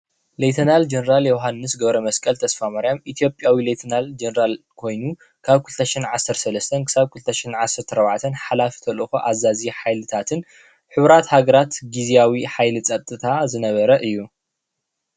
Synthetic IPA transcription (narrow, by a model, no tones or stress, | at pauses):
lejt̪ʰɐnald͡ʒenɐɾaljowɦanːɨs̬ɡɐβɾɐmɐskʼɐlt̪ʰɐsfamaɾijamʔit̪ʰijo̞pʼjawilet̪ʰɐnald͡ʒenɐɾal | kʰo̞jnu | kʰaβkʰult̪ʰɐʃinʕasːɐɾsɐlɐst̪ʰɐnkʰɨ̥saβkʰult̪ʰɐʃinʕasːɐɾt̪ʰɐɾɐβʕat̪ʰɐnħalafi̥t̪ʰɐlɨxoʔazaziħajlɨt̪ʰat̪ʰɨn | ħɨβɾat̪haɡɐɾat̪ɡizijawiħajlɨt͡sʼɐt̪ʼːɨt̪ʰazɨnɐβɐɾɐʔɨjːu